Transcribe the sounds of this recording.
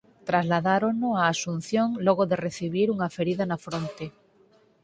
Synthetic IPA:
t̪ɾazlaðaɾoŋnʊaːsun̟θjoŋlɔɣoðereθiβ̞iɾuŋafeɾiðanafɾont̪e

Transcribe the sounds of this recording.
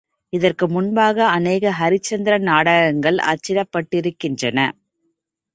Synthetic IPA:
ɪðɐrkɯmʊnbaːɣɐɐneːɣɐɦɐɾɪt͡ʃːɐnd̪ɪɾɐnaːɽɐɣɐŋɡɐɭʔɐ̰t͡ʃːɪɾɐpːɐʈːɪɾɯkːɪndrɐnɐ̰

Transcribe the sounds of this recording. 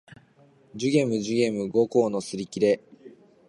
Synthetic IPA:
d͡ʑɨɡe̞mɯ̟ʑɨɡe̞mɯ̟ɡo̞koːno̞sɨɾʲikʲiɾe̞

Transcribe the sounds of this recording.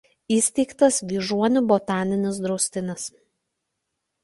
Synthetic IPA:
iːsʲt̪ʲɛɪkt̪ɐsʋʲiːʒuɔnʲʊbot̪ɑːnʲɪnʲɪsd̪ɾɔʊsʲt̪ʲɪnʲɪs

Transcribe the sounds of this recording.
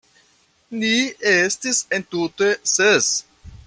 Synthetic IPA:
niestisentute̞ses

